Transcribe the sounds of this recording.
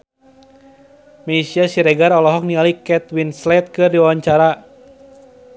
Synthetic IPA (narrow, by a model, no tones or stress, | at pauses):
mɛisiasiɾɛɡaɾɔlɔɦɔk̚nialikɛt̪winslɛt̪̚kɨrdiwawaɲt͡ʃaɾa